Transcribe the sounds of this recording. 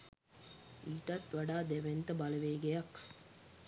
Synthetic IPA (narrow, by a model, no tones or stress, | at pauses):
iːʈat̪ʋaɖaːd̪eʋent̪əbaləʋeːɡejak